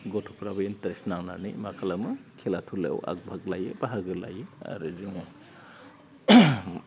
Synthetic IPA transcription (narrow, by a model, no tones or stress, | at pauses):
ɡotʰu̥pʰɾabɐinteɾesnaŋnanḭmakʰalamɯkʰelatʰulḛwʔa̰k̚bʱak̚lajɯpaɦaɡɯla̰jɯa̰ɾɯziŋɯ